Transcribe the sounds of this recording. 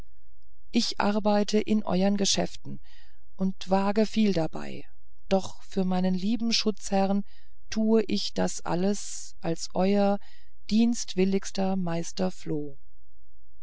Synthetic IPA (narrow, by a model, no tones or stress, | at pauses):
ʔɪçʔa̰ɐbaɪtʰəʔɪnʔɔ̰ʏɐnɡəʃɛftn̩ | ʔʊntv̥aːɡəfiːldaba̰ɪ | d̥ɔχ | fyːɐmaɪnənliːbm̩ʃʊt͡shɛʁn | tʰuːəʔɪçd̥asʔa̰ləs | ʔalsʔɔʏɐ | d̥iːnstv̥ɪlɪkstɐmaɪstɐfloː